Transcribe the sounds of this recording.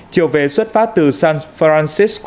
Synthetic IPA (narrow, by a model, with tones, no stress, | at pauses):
t͡ɕi˨əwve˨˩swə˦˥t̚faː˦˥t̪ɨ˨˩saː˧nfɾaː˧nsi˦˥sk